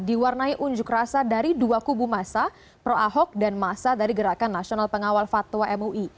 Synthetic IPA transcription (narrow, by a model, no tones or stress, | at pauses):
diwarnaiʔuɲd͡ʒʊkrasadaɾiduakubumasa | pɾoʔaɦɔk̚danmasadaɾiɡəɾakanːasionalpəŋawalfat̪waʔɛmuʔi